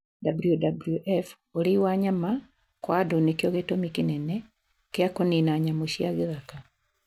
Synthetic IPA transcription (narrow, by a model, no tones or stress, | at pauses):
dabulijudabuljuʔɛf | oɾiwaɲama | kwadonekjoɣetomikinɛnɛ | keakoninaɲamoʃiaɣeɣaka